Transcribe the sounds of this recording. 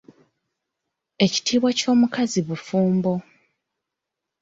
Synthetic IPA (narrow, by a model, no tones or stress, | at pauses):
e̞ci̥tiːβwaco̞ːmukaziβufuːmbo̞